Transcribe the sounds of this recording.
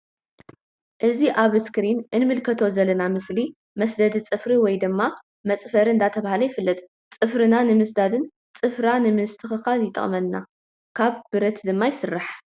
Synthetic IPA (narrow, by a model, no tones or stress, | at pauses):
ʔɨziʔaβskɾinʔɨnmɨlkʰɐt̪ʰo̞zɐlːɐnamɨsli | mɐsd̪ɐd̪it͡sʼɨfɾiwɔjd̪ɨmːa | mɐt͡sʼfɐɾɨɨnd̪ʰat̪ʰɐβahalɐjɪfɨlːɐt̪ʼ | t͡sʼɨfɾɨnanɨmɨsd̪ad̪ɨn | t͡sʼɨfɾanɨmɨst̪ʰɨxɨxaljɪt̪ʼɐ̰χʼmɐnːa | kʰaβbɨɾɐt̪d̪ɨmːajɪsɨrːaħ